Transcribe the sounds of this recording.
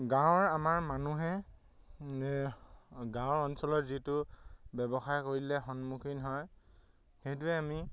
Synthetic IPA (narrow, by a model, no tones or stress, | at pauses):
ɡãwʊ̃ɹamaɹmanuɦɛ | ɡãʊɹɔnsɔlɔtzitʊbɛbɔxajkoɹilɛxɔnmukʰinɦɔj | xejt̬uɛami